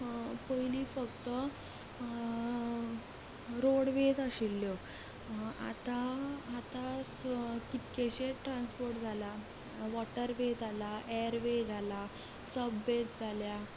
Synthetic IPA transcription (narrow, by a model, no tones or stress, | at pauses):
pəjliːt͡sfəɡt̪ə | ɾoɽʋed͡zəɕilːjɔ | a̰t̪aːt̪a | kit̪keɕeʈɾanspoɾʈd͡zʱala | ʋɔʈəɾʋed͡zʱalaeəɾʋed͡zʱala | səbːet͡sd͡zʱalja